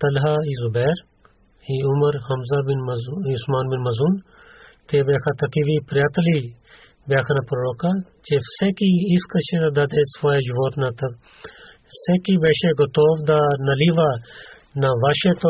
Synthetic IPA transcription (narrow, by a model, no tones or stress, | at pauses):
t̪ɐlɦaːiːzubɛːɾ | iʊmɐɾhɐmzabinʊsmaːnbinmɐzun | t̪eːbeːkʰat̪ɐkiʋipɾjaːt̪ɐliː | beːkʰɐnapɾoːɾoːkaːt͡ʃesekiiskɐt͡ʃʰed̪ɐd̪ɐd̪eːsfoːed͡ʒuʋoːt̪nat̪ɐ | sekibeːʃeɡɐt̪oːʋd̪aːnɐliʋaː | naʋaʃet̪o